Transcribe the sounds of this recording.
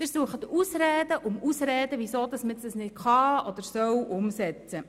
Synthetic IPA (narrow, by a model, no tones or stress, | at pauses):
ɪsuəχət̪usɾɛːd̥əʔʊmusɾɛːd̪əʋisoːd̪ɑsmət͡sdɑsnɪtχɑːɔd̥̪əɾsœwʔʊmsɛt͡sə